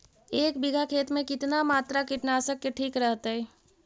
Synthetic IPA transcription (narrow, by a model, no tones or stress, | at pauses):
eːkbɪɡʱakʰeːt̪mẽkɪt̪namaːt̪ɾakɪʈnaːsəkːeʈʰiːkɾəɦt̪eɦɛ